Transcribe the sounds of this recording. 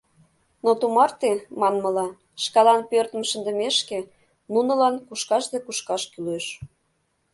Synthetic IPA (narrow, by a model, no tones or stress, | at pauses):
not̪umɑrt̪emɑnmə̆lɑ | ʃkɑlɑnpørt̪ə̆mʃə̆nd̪ə̆meʃke | nunə̆lɑnkuʃkɑʃd̪ekuʃkɑʃkyleʃ